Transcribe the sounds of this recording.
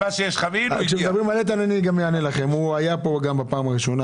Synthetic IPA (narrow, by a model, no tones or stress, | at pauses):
aʃejeʃχavikʃemd̪abʁimalet̪̬ananiɡamjeanelaχe̞muajapo̞ɡambapaːmaʁiʃo̞na